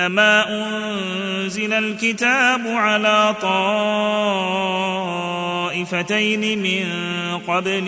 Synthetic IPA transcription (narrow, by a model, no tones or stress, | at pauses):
amaːʔʊn | zɪlalkɪt̪aːbʊʕalaːt̪ˤɑː | ʔɪfat̪ajnɪmɪnqɑbl